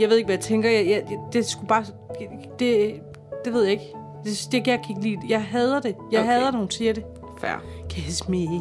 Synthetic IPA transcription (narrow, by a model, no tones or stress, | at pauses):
jɑ̈ʋeðˠeɡ̥ʋæjɑ̈t͡sʰeŋɡ̥ɐjɑjæjd̥e̝sɡ̥ub̥ɑ̈ː | d̥e̝ | d̥e̝ʋe̝ð̞̰ˠjɑ̈e̝ɡ̥ | d̥e̝d̥eeɡ̥jakʰiɡ̥liːdjɑɪɦɛð̞ˠɐd̥e̝jɑɪɦɛð̞ˠɐnoːn̩sʰiɐɾe̝ | fæ̰ɐ̰kʰæsme